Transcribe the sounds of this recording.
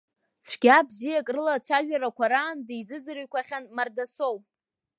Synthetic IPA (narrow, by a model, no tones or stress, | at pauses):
t͡sʷʰɡ̥ʲabzijakʼrɨlat͡sʷʰaʒᶣaɾakʷʰaɾaːndejzɨzɨɾiɥkʷaχʲanmardasowpʼ